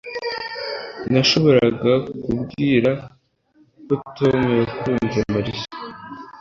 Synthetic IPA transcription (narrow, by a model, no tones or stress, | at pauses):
naʃo̞βo̞ɾaɡakubɡiːɾa | kotomeɾekuɾuːɲziɾamaɾisḁ